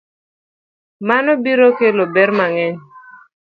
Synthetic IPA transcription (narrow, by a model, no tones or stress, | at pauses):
manɔbiɾokelobɛrmaŋɛɲ